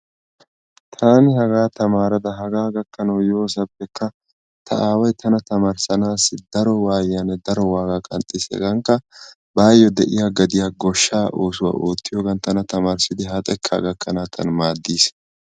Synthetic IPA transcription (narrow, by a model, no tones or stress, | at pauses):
t̪ʰaːnɪhɐɡaːt̪ɐmaːɾɐd̪ɐɦɐɡaːɡɐkːɐnɐwjo̞ːsɐpːɛkːɐ | t̪ʰɐ̰ʔaːwɐjt̪ʰɐnɐt̪ɐmaɾsɐnaːsɪd̪ɐɾɔwaːjːanɛd̪ɐɾɔwaːɡaːkʼɐ̰nt̪ʼːɪsɛ̰ɡɐŋkːɐ | baːjːɔd̪ɛʔɪjaːɡɐd̪ɪjaːɡɔʃːaːʔoːsʊwa̰ʔoːt̪ːɪjoːɡɐnt̪ɐnɐt̪ɐmaːɾsɪd̪ɪɦɐt̪ʼɛkʰːɐ̰ɡɐkʰːɐnaːt̪ʰːɐ̰nmaːd̪ːiːs